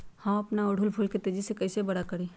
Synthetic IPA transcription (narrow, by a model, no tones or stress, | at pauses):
hɐmɐpnaʊɽʱʊlpʰʊlket̪eːd͡ʒisekɐɪsebɐɽakɐɾiː